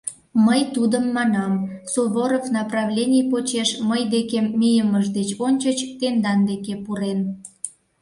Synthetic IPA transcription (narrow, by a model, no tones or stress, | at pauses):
məjt̪ud̪əmːɑnɑmsoβoɾofnɑprɑvlʲenʲijpot͡ɕeʃməjd̪ekemːijəməʃd̪et͡ɕonʲt͡ɕət͡ɕt̪end̪ɑnd̪ekepuɾen